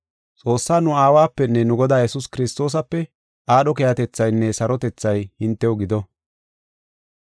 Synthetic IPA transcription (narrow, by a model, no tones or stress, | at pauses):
t͡sʼo̞ːsːaːnʊaːwaːpːɛnːɛnʊɡɔd̪aːjɛsʊskɪɾɪst̪o̞ːs̬ɐpːɛ | ʔaːɗɔkɛjɐt̪ɛt͡sːɐjnːɛsɐɾɔt̪ɛt͡sːɐjhɪnt̪ːɛwɔɡɪd̪ɔ